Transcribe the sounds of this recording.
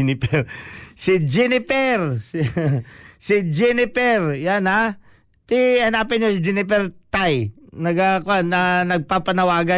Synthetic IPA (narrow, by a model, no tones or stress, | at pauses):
nɪpɛɾsɪd͡ʒɛnɪpɛɾs | sɪd͡ʒɛnɪpɛɾjana | t̪ɪɐnaːpɪnɲosɪd͡ʒɛnɪpɛɾt̪ajnɐɡakʊanɐnɐɡ̚papɐnɐwaːɡɐ